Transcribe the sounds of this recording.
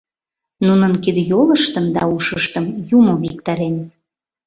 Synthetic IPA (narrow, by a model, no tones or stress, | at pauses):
nunənkid̪joləʃt̪əmd̪ɑuʃəʃt̪əmjumoβik̚t̪ɑɾen